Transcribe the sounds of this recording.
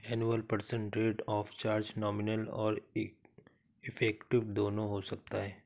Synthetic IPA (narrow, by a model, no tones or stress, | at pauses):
ɛːnuəlpəɾsə̃ɳʈɾeːʈɔːft͡ʃaːɾd͡ʒnɔːmɪnəlɔ̰ːɾ | ɪfʰɛːkʈɪʋd̪oːnõɦosɐk̚t̪aɦɛː